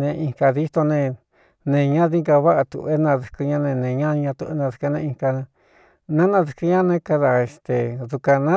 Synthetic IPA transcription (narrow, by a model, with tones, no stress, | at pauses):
nẽ˧ĩ˧ŋka˧ði˦t̪o˧nẽ˧ | nẽ˨ɲã˦ði˦ŋɡa˧βa˦ʔa˧t̪ṵ˨e˦nã˧ðu˨kɨ˧ɲã˦nẽ˧nẽ˨ɲã˦˧ɲã˧t̪u˧e˦nã˧ðu˧ka˧nẽ˧i˧ka˧ñ˧ | nã˦nã˧ðu˧kɨ˧ɲã˦nẽ˦ka˧ða˧e˨st̪e˨ðu˧ka˧nã˦